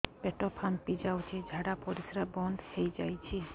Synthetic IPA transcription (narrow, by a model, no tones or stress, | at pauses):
peʈopʰampid͡ʑawt͡ʃʰid͡ʒʱaɽapoɾisɾabɔnd̪hejd͡ʒa̰jt͡ɕʰi